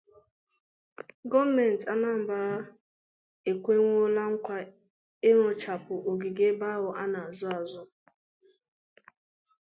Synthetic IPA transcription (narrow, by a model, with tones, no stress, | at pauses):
ɡɔ˦vme˨n̩˨ta˦na˦m̩˨ba˨ɾa˦ | e˨kʷe˦ŋʷo˦la˦ŋ̩˦kʷa˦ | e˦ɾʊ˨t͡ʃa˨pʊ˨ʔo˨ɡi˨ɡe˦ba˦ɦʊ˨ʔa˦na˨a˨zʊ˦a˨zʊ˦